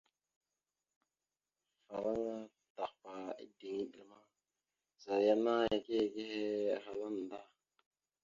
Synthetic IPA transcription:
fa˨ɾa˦ŋa˦ | ta˨qpa˨ḭ˦di˨ŋi˨ɗi˨ma˦ | za˨ɾja˦na˦a˨ke˦˨ke˦he˦˨xa˨la˦n˨da˦

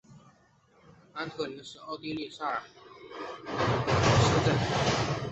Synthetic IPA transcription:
a˧˥nt̪ʰɤ˥˩li˧˥ʂɻ̩˥˧ɑ˥˧ʊt̪i˥li˥˩ʂa˥˩ə˞˨˩˥ | ʂɻ̩˥˧ʈ͡ʂə˥˩n˥

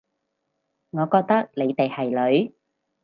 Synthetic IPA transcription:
ŋɔː˨˧kɔː˧k̚t̪ɐ˥k̚le˨˧jt̪e˨jhɐ˨˩jlɵ˨˥ɥ

